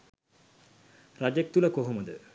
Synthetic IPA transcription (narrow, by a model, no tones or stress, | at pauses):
rad͡ʒek̚t̪uləkoɦoməd̪ə